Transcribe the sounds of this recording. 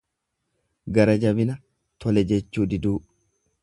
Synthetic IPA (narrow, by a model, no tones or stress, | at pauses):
ɡɐɾɐd͡ʒɐbɪnɐ | t̪ʰɔlɛd͡ʒɛt͡ʃːuːd̪ɪd̪uː